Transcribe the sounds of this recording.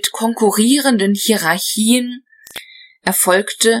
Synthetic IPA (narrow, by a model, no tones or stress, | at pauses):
tkʰɔŋkʰuʁiːʁəndənhiʁaɐçiːən | ʔɛɐfɔlktə